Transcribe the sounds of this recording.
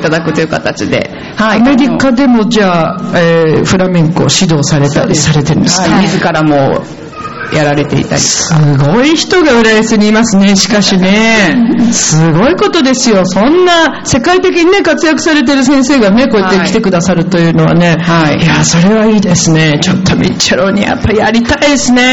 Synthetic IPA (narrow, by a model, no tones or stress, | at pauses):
t̪ad̪akɯ̟t̪ojɯ̟kat̪at͡ɕid̪e̞̰ | hame̞d̪ʲikad̪e̞mo̞d͡ʑaːeɸɯ̟ɾamẽŋko̞̰ɕid̪o̞ːsaɾe̞t̪a̰ɾʲisaɾe̞t̪eɾɯ̰nsmʲizɨkaɾamo | jaɾaɾe̞t̪e̞ḭt̪a̰ɾʲḭso̥ɨɡo̞içi̥t̪o̞ɡaɯ̟ɾajaseɲ̟iːmasɨne̞ɕi̥kaɕine̞ | sɨɡo̞iko̞t̪o̞d̪e̞sɨjo̞sõ̞nːa | se̞kait̪e̞k̬ʲiɲ̟ine̞kat͡sɨjakɯ̟̥saɾe̞t̪̬e̞ɾɯ̟s̬ẽ̞ɰ̃se̞ːɡane̞ko̞ːet̪ːe̞kʲit̪e̞kɯ̟d̪asaɾɯ̟t̪o̞jɯ̟ːno̞βa̰ne̞jaːso̞ɾe̞βaiːd̪e̞sɨne̞t͡ɕo̞t̪ʰːo̞mʲḭt͡ɕːaɾo̞ːɲ̟ḭja̰pːaijaɾʲit̪aid̪esɨne̞